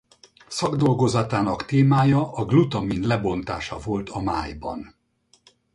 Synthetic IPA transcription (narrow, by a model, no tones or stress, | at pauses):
sɒɡd̪o̞lɡo̞zɒt̪aːnɒkt̪eːmaːjɒʔɒɡlut̪ɒminlɛbo̞nt̪a̰ːʃɒvo̞lt̪ɒmaːjbɒ̰n